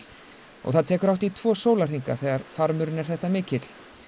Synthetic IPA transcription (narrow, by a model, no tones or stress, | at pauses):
ɔ̰ɣθaðt̪ʰɛːkʏɾawht̪it̪ʰvɔːsoːwlar̥iŋka̰θɛːɣaɾfaɾmʏɾɪnɛɾ̥θɛht̪amɪːcɪt̪l̥